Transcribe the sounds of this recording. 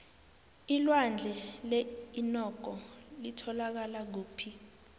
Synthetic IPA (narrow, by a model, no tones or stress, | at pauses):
ilwand͡ɮʱɛleinɔɡ̥ʱɔlitʰɔlak̬alak̬uːpʰi